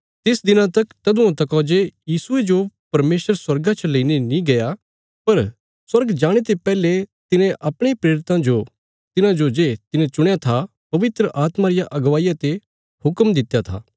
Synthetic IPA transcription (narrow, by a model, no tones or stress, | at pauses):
t̪ɪsd̪ɪnãt̪ɐkt̪ɐd̪uãt̪̬ɐkɔːd͡ʒejiːsʊed͡ʒopɐɾmeːsəɾswɐɾɡãt͡ʃʰɐleinenĩɡɐja | pɐɾ | swɐɾɡd͡ʒaːɽ̃et̪̬epɛːlet̪ɪnẽʔɐpɽ̃epɾeːɾɪt̪ãd͡ʒo | t̪ɪnãd͡ʒod͡ʒet̪ɪnẽt͡ʃʊɽ̃jat̪ʰa | pɐʋɪt̪ɾəʔaːt̪maɾɪjaʔɐɡʋaːijat̪e | hʊkmd̪ɪt̪jat̪ʰa̰ː